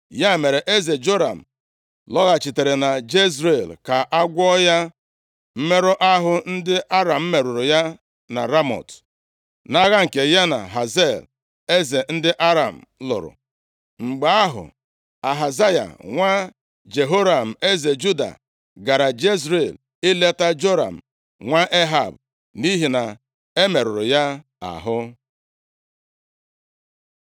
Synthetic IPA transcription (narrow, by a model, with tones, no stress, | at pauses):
ja˦˨me˨ɾe˨ʔe˦ze˨d͡ʒo˦ɾa̰˨m̩˨ | lɔ˦ɣa˨t͡ʃi˨te˨ɾe˨na˨d͡ʒe˦s̬ɾe˦˨lka˨ʔa˦ɡʷɔ˦ja˦ | m̩˦me˦ɾʊ˦ʔa˦ɦʊ˦n̩˦dɪ˦ʔa˦ɾa˨m̩˦me˨ɾʊ˨ɾʊ˨ja˦ | na̰˨ɾa˦mɔ̰˨t | na˦ɣa˦ŋ̩˨ke˨ja˦na̰˨ɦa˨ze˦˨l | e˦ze˨n̩˦dɪ˦ʔa˦ɾa˨m̩˨lʊ̰˨ɾʊ̰˨ | ŋ͡m̩˨ɡ͡ba˨˦a˦ɦʊ̰˨ | a˨ɦa˨za˦ja̰˨ŋʷa˦ | d͡ʒe˨ɦo˦ɾa˨m̩˨e˦ze˨d͡ʒu˦da̰˨ | ɡa˨ɾa˨d͡ʒe˦s̬ɾe˨l | ɪ˦le˦ta˦d͡ʒo˦ɾa̰˨m̩˨ | ŋʷa˦ʔe˦ɦa˨b | ni˦ɦi˨na˨ | e˦me˨ɾʊ˨ɾʊ˨ja˦ | a̰˨ɦʊ˦